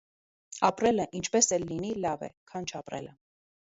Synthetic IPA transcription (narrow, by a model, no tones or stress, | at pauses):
ɑpɾɛləʔint͡ʃʰpɛsɛlːinilɑvɛ̰kʰɑnt͡ʃʰɑpɾɛ̰lə